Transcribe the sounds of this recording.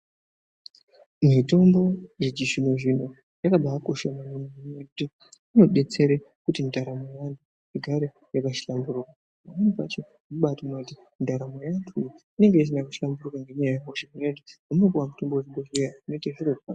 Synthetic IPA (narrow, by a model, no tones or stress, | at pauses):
mito̞mbo̞jed͡ʒiʃimeʐin̤o | jakaɓajakoʃamanomumumekuti | uno̞ɗe̞t͡se̞ɾe | kutindʱaɾamejantʰu | iɡʱaɾe | jakaʃi̥ɬambuɾuka | mamanupa̰t͡ʃe | uɓatounouti | ndʱaɾamejantʰujine̞ŋɡe̞is̬inakuʃi̥lamburukaŋɡeɲajajamoʃemunetiamunopowamuto̞mboeʐiɓoʐejaino̞itaʐirorwa̰o